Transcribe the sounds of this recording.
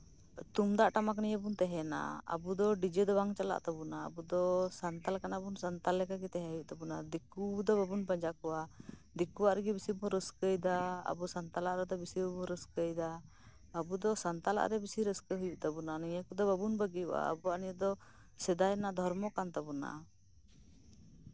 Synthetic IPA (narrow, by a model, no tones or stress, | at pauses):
t̪umd̪aʔʈamak̬niɲəbunt̪ɛɦɛna̰a̰bud̪ɔɖid͡ʒed̪ɔbaŋt͡ʃala̰ʔt̪abuna̰ːbud̪ɔsant̪alkanabunsant̪alːɛkakit̪ɛɦɛɦujuʔt̪abunad̪ikud̪ɔbabunpaɲd͡ʒakɔwad̪ikuwaʔɾɛɡibisibuɾəskəjd̪aa̰busant̪alaʔɾɛd̪ɔbisibabuɾəskəjd̪aː | bud̪ɔsant̪ala̰ʔɾɛbisiɾəskəɦujuʔt̪abunaniɲakud̪ɔbabunbəɡijuwa̰ːbuaʔnijəd̪ɔ | sɛd̪ajnaʔd̪ʱɔɾmɔkant̪abuna̰